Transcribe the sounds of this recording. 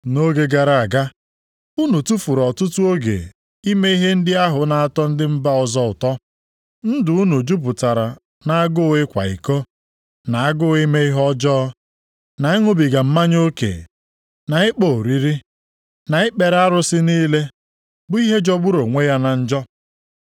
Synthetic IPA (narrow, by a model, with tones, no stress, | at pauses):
no˦ɡe˦ɡa˨ɾa˨a˨ɡa˦ | u˦nu˨tu˦fu˨ɾɔ˨tʊ˦tʊ˦o˦ɡḛ˨ | i˦me˦i˦ɦe˦n̩˦dɪ˦a˦ɦʊ˨na˨a˨tɔ˦n̩˦dɪ˦m̩˦ba˦ɔ˨zɔ˦ʊ˨tɔ˦ | n̩˦dʊ˨u˦nu˨d͡ʒu˦p̬ʊ˨ta˨ɾa˨ | na˨a˦ɡʊ˦ɪ˦kʷa̰˨ḭ˨ko˦ | na˨a˦ɡʊ˦ɪ˦me˦i˦ɦɔ˦d͡ʒɔː˦ | na˨ɪ˦ŋʊ˦bi˨ɡa˨m̩˦ma˦ɲ˦o˦kḛ˨ | na˨ɪ˦k͡po˨ɾi˦ɾi˦ | na˨ɪ˦k͡pe˨ɾa˦ɾʊ˨sɪ˦niː˦le˦ | bʊ˨˦i˦ɦe˦d͡ʒɔ˦ɡ͡bʊ˦ɾo˨ŋʷe˦ja˦na˨n̩˦d͡ʒɔ˦